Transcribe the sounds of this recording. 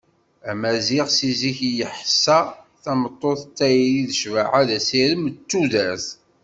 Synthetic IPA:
æmæziʁsiziçjəħəsːæ | θæmət̪ˤːoθt̪ːæjliðəʃvaʕaðæsiɾəmt͡sːuðæθ

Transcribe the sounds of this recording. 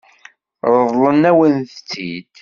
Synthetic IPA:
ɾˤəðˤlənæwənθt͡sːḭd̪̥

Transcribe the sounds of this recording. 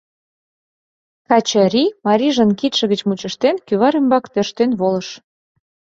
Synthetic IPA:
kɑt͡ɕəɾʲimɑɾʲiʒə̆nkit̪ʃə̆ɣət͡ɕmut͡ɕə̆ʃt̪enkyβɑɾymbɑkt̪ørʃt̪enβoləʃ

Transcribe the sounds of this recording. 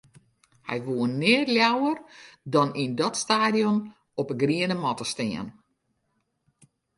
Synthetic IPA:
hɛ̰jʋuənːɪːərljawərdɔnindɔtstaːdijɔn | ɔpəɡriənəmɔtəstɪ̰ən

